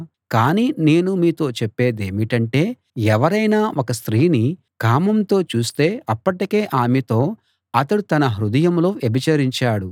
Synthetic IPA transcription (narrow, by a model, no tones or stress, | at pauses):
kaːniːne̞ːnumiːt̪o̞ːt͡ʃepːe̞ːd̪eːmiʈɐɳʈe̞ː | ɛʋɐɾɐjnaːʔɔkɐst̪ɾiːni | kaːmɐmt̪o̞ːt͡ʃuːst̪e̞ːʔɐpːɐʈike̞ːʔaːmet̪o̞ː | ɐt̪ɐɽut̪ɐnɐɦɾud̪ɐjɐmlo̞ːebʱit͡ʃɐɾiɲt͡ʃaːɽu